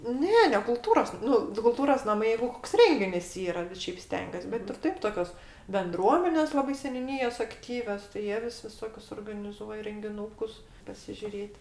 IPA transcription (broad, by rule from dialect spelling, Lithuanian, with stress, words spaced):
ˈnʲɛ nʲɛ kʊˈlˠtuːroːs ˈnʊ tʲɪ kʊlˠˈtuːroːs nɐˈmɐɪ ˈjɛɪɡʊ ˈkoːks ˈrʲɛŋʲɡʲɪnʲɪs ˈiːrɐ ˈʃʲɛɪp ˈsʲtʲɛŋʲɡʲuɔs bʲɛt ɪr ˈtɐɪp toːˈkʲoːs bʲɛnˈdruɔmʲɛnʲeːs ˈlˠɑːbɐɪ sʲɛnʲuːˈnʲiːjoːs ɐkˈtʲiːʋʲoːs tɐɪ ˈjiɛ ʋʲɪs ʋʲɪˈsoːkʲʊs oːrɡɐnʲɪˈzuɔjɛ rʲɛŋʲɡʲɪˈnuːkʊs pɐsʲɪʒʲʊˈrʲeːtʲ